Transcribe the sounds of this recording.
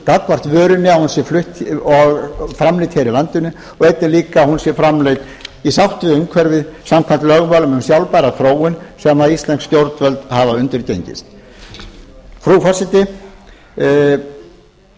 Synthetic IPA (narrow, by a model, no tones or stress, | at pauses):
kakvar̥t̪vœːɾʏnːɪahunsjɛɾflʏht̪ɔɣfɾamlejt̪heɾɪlant̪ʏnːʏ | ɔɣɛjt̪nɪliːkahunsjɛɾfɾamlejt̪ | isawht̪vɪʏmkʰɛɾvɪsamkʰvant̪lœɣmaːlʏmʏmsjawlpajɾaθɾoːwɪnsɛmaðist̪lɛnkscjowɾt̪nvœlt̪havaʏnt̪ɪɾcejɲcɪ̰st̪ | fɾuːfasɪt̪ɪ